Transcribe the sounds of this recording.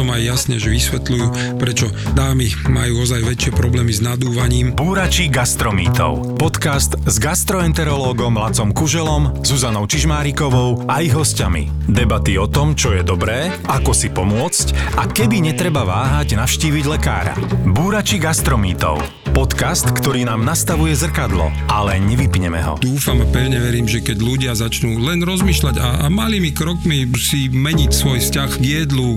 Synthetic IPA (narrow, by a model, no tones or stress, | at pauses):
ɔmajːasɲɛʒɛʋisʋɛt̪lujuː | pɾɛt͡ʃɔ | d̪aːmimajuːɔzajʋɛt͡ʃɪɛpɾɔblɛːmiznad̪uːʋaɲiːmbuːɾat͡ʃiɡast̪ɾɔmḭːt̪ɔ̰ʊpɔt̪kast̪zɡast̪ɾɔɛnt̪ɛɾɔlɔːɡɔmlat͡sɔmkuʒɛlɔmz̥uzanɔʊt͡ʃiʒmaːɾikɔʋɔʊʔajiɦɔsca̰mḭ | d̪ɛbat̪iɔt̪ɔmt͡ʃɔjɛd̪ɔbɾɛː | akɔsipɔmʊɔt͡scakɛbiɲɛt̪ɾɛbaʋaːɦaɟnafʃciːʋiɟlɛka̰ːɾa̰buːɾat͡ʃiɡast̪ɾɔmiːt̪ɔ̰ʊ | pɔt̪kast̪kt̪ɔɾiːnaːmnast̪aʋujɛzr̩kad̪lɔ̰ | alɛɲɛʋipɲɛmɛ̰ɦɔ̰d̪uːfampɛʊɲɛʋɛɾiːmʒɛkɛɟluɟɪazat͡ʃnuːlɛnɾɔzmiːʃlaɟamaliːmikɾɔkmisimɛɲicsʋɔjfscaɣʋɪjɛd̪lu